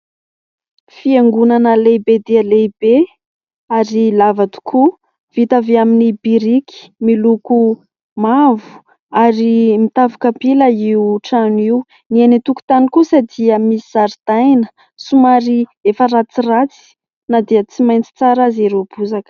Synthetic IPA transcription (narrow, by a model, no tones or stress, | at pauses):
fieŋɡunanəlebed̪ealejbe | aɾilavad̪u̥kʰu | v̥it̪aveaminibiɾiki̥miluku | mavu̥ | aɾimit̪avukapiləiuʈ͡ʂaniu | nienit̪uku̥t̪anikusad̪iəmisizaɾd̪̥ajnə̥ | sumaɾiefəɾat͡sirat͡si̥ | nad̪iət͡simajnt͡si̥t͡saɾazeɾobuzak